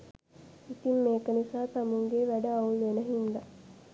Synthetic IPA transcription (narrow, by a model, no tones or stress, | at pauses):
it̪imːeːkənisaːt̪amuŋɡeʋæɖəaulenəɦind̪a